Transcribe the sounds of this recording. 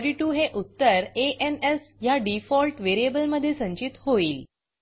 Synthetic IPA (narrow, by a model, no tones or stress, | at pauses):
ɖiʈuːɦeʔut̪ːəɾeʔenesjaɖifɔlʈʋeɾiebəlməd̪ʱːjesə̃ɲt͡ɕit̪hoiːl